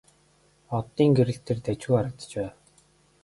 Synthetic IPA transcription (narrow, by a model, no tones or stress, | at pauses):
ɔt̪ːiːŋɡeɾɘ̆ɬt̪ʰĕrt̪æt͡ɕuːaɾə̆kt̪̆t͡ɕpæːw